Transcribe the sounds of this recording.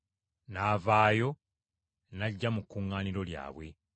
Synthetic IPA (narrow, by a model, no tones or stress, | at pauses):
naːvaːjo̞ | naɟːamukːuːŋːaːniɾo̞lja̰ːβwe̞̰